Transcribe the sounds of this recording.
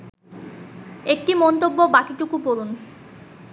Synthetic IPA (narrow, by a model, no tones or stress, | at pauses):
ek̚ʈimɔnt̪obːobakit͡ɕukupolun